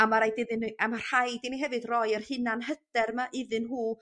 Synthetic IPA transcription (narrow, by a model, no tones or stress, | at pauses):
amaɾajdɪðɨnamar̥hajdɪniɦɛvɨdrɔjərhɨnanɦəd̥ɛrmaʔɪðɨnɦuː